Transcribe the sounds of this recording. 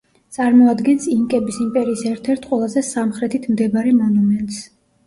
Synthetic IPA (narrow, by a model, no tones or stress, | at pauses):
t̪sʼaɾmɔad̪ɡɛnsiŋkʼɛbisimpʼɛɾiːsɛɾt̪ʰɛɾt̪ʰqʼwɛlˠazɛsamχɾɛt̪ʰit̪ʰmd̪ɛbaɾɛmɔnumɛnt̪ʼs